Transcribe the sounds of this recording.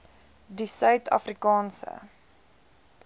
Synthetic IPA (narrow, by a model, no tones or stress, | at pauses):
disœɥtʰɐ̰frikɑːnsə̰